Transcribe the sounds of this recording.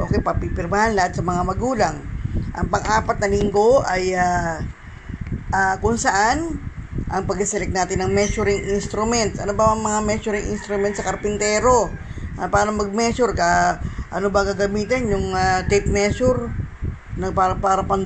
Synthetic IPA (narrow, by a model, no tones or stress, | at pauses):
ʔo̞ːkɛjpɐpipɪɾmahanlɐhat̪̚sɐmɐŋamɐɡuːlaŋʔɐŋpɐŋʔaːpɐt̪̚nɐliŋɡo̞ɐja | ʔaːkʊŋsɐʔanʔɐŋpɐɡɪsɛlɛk̚naːt̪ɪnɐŋmɛt͡ʃʊɾɪŋʔinst̪ɾʊmɛnt̪sʔɐnobɐɐŋmɐŋamɛsʊɾɪŋʔɪ̰nst̪ɾʊmɛnt̪sɐkɐɾpɪnt̪ɛːɾo̞ʔapaːɾɐŋmɐɡ̚mɛsʊɾkaʔɐ̰nobɐŋɡaɡɐmiːt̪ɪnjʊŋat̪ɛt̪̚mɛsʊɾ | nɐpaːɾɐpaːɾɐpɐn